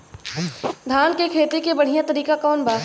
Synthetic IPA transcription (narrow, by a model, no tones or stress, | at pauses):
d̪ʱaːnkekʰeːt̪ekebɐɽ̤ijãt̪ɐɾiːkakɔːnbaː